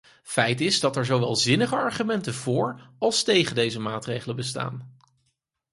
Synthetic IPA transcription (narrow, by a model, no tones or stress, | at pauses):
fɛjtɪzdɑtɛɹzowʋɛlˠzɪnəχəɑɹχymɛntəvʊːɹɑlˠstejχəndejzəmaːtrejχələbəsta̰ːn